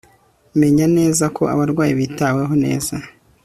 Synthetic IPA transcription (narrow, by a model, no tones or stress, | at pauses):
me̞ɲane̞ːzakʰo̞̰a̰βaɾɡwaːjiβitawe̞ɦo̞ne̞̰ːza